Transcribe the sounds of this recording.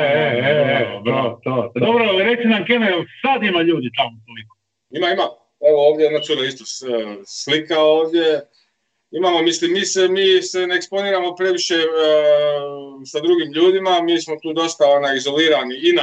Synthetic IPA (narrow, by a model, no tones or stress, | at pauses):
eeeobɾt̪od̪obɾoaliɾe̞k̪sinamkenesad̪imaʎuːd̪it̪amot̪oliko | imaima | e̞ʋooːʋd̪ʲjeonat̪sud̪aist̪osslikao̞ːʋd̪je̞ | imamo̞mislimːiːsemiːsene̞ːkspo̞niːɾamo̞pɾe̞ʋiʃe̞ | sad̪ɾuɡimʎuːd̪imamiːsmo̞t̪uːd̪o̞st̪ao̞najizo̞liːɾaniina